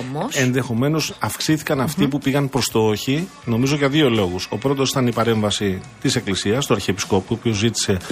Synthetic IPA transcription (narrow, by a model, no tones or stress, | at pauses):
moe̞nðe̞xo̞me̞no̞sɐfksiθikɐnɐft̪ipupiɣɐnpɾost̪ooçi | no̞mizo̞ʝɐðio̞lo̞ɣuso̞pɾo̞t̪o̞si̥t̪ɐnipɐɾe̞ɱvɐsit̪ise̞klisiɐst̪oɐɾçepi̥sko̞puopiozit̪i̥se̞